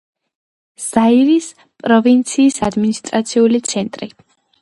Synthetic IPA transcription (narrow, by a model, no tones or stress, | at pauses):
z̥aiɾis | pʼɾɔvint̪sʰiːsad̪minist̪ʼɾat̪sʰiulit̪sʰɛnt̪ʼɾḭ